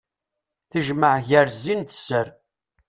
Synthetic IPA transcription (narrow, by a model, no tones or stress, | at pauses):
θəʒməʕʝəɾzint̪əsəɾ